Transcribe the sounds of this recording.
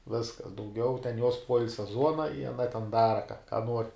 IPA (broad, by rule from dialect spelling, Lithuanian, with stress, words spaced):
ˈʋʲɪskɐs dɐʊˈɡʲɛʊ tʲɛn juɔs ˈpuɔɪlʲsʲɛ ˈzuɔnɐ ɪ ɐˈnɐ tʲɛn ˈdɑːrɐ kɐ kɐ nuɔrʲ